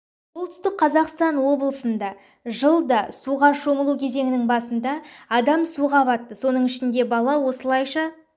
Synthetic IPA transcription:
soʊlˠt̪ʰʏ̥st̪ɪkqʰɑzɑqst̪ɑnwo̞bəlˠəsənd̪ɑ | ʒəlˠd̪ɑsuʁɑʃo̞məlˠukʲʰe̞ze̞ŋɪnɪŋbɑsənd̪ɑɑd̪ɑmsuʁɑbɑt̪ːəso̞nəɴɪʃɪnd̪e̞bɑlˠɑwo̞səlˠɑjʃɑ

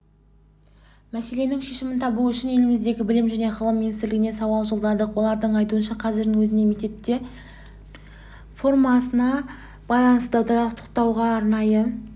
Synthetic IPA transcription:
mæse̞le̞nɪŋʃe̞ʃɪmɪnt̪ʰɑbuʏʃɪne̞lɪmɪzd̪e̞ɡʲɪbɪlɪmʒæne̞qʰəlˠəmːinist̪ɪɾlɪɡɪne̞sɑwɑlˠʒolˠd̪ɑd̪əqwo̞lˠɑɾd̪əɴɑjt̪uənʃɑqʰɑzɪɾd̪ɪŋwɵzɪne̞me̞k̚t̪e̞p̚t̪e̞ | fo̞rmɑsənɑ | b̥ɑjlˠɑnəsəɑwd̪ɑəqt̪ʰo̥qt̪ɑwʁɑːɾnɑjə

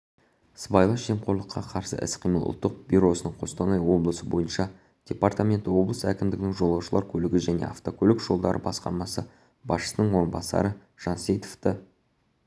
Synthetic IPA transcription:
sbɑjlˠɑʒe̞mqʰo̞ɾlˠəqʰːɑqʰɑɾsə̰ʔɪ̰sqʰijməlˠʔʊ̰lˠt̪ːəq̚bʲyɾo̞sənəɴqʰo̞st̪onɑjwo̞blˠəsəbo̞jənʃɑ | d̪̥ʲe̞part̪amʲe̞nt̪ɪwo̞blˠəsəækʲɪmd̪ɪɡʲɪnɪŋʒo̞lˠɑwʃəlˠɑɾkʲʰɵlɪɡʲɪʒæne̞̰aft̪o̞kʲʰɵlɪkʒ̥o̞lˠd̪ɑɾə̰bɑsqɑ̰ɾmɑsə | bɑsʃə̥sənəɴwo̞ɾənbɑsɑ̰ɾə | ʒ̥ɑnsejt̪o̥ft̪ə

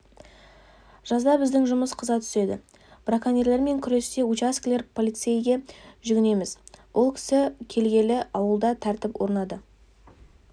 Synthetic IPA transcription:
ʒ̥ɑzd̪ɑbɪzd̪ɪŋʒʊməsqʰəzɑt̪ʰʏ̥se̞d̪ɪ | brakanʲerle̞ɾme̞ŋkʲʰʏɾe̞st̪e̞ut͡ʃaskʲlʲe̞ɾpʰo̞lʲˠijt̪se̞jɡʲe̞ʒʏɡʲɪne̞mɪzwʔo̞lˠkʲʰɪ̥sɪkʲʰe̞lɡʲe̞lɪɑwəlˠd̪ɑt̪ʰæɾt̪ɪpwo̞ɾnɑd̪ə

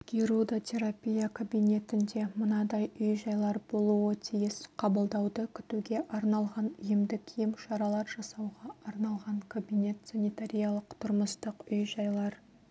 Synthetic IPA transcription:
ɡ̥ʲiɾud̪ot̪ʲʰe̞ɾapʲijakʰobijne̞t̪ɪnd̪e̞mʊnɑd̪ɑjʏjʒɑjlˠɑɾbo̞lˠuwət̪ʰijɪsqʰɑbəlˠd̪ɑwd̪əkʲʰʏ̥t̪uɡʲe̞ʔɑɾnɑlˠʁɑnʏjɪmd̪ɪkʲʰijɪmʃɑɾɑlˠɑɾʒɑsɑwʁɑɑɾnɑlˠʁɑŋkʰobijne̞t̪sanʲit̪aɾʲijalˠəqt̪ʰʊɾməst̪əqʏjʒɑjlˠɑɾ

